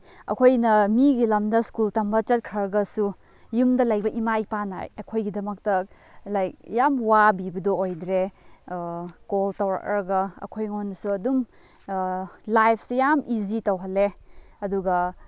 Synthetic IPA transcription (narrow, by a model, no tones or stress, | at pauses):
ɐ̰kʰojnɐmiɡilɐmdɐskultɐmbɐt͡ʃɐt̚kʰɾɐɾɡɐsu | jumdɐlɐjbɐʔimajpana̰jɐkʰojɡidɐmɐk̚tɐ | lajkjamwabibɐdoojdɾe | koltɐwɾɐ̰kɾɐɡɐɐ̰kʰojŋonːɐsuɐdum | lajpʰsejamʔizitɐwɦɐlːeɐduɡɐ